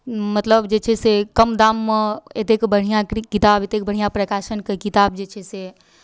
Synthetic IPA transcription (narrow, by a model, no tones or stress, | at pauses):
mət̪ləbd͡ʒet͡ʃʰɛsekəmd̪aːmːəet̪ekbəɽ̤ijãkit̪aːbet̪ek̚bəɽ̤ijãpɾəkaːʃənkekit̪aːb̚d͡ʒet͡ʃʰɛse